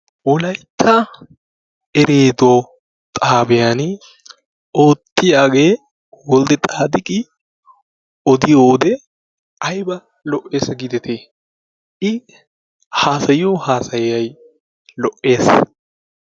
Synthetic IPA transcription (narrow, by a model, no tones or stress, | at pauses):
wɔlɐjt̪ʰːa | ɛɾeːd̪oː | t̪ʼaːbɛjan | oːt̪ːɪjaːɡe̞ː | wɔld̪ɛt̪ʼaːd̪ɪkʼɪ | ɔd̪ɪjoːd̪ɛ | ɐjbɐ | lɔʔe̞ːsɐɡɪd̪ɛt̪ʰeː | ʔɪ | haːsɐjɪjoːhaːsɐjːɐj | lɔʔːe̞ːs